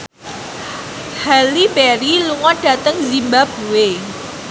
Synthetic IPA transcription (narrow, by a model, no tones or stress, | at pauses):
halibɛɾiluŋɔnɖ̥a̤t̪əŋzimbab̥uwe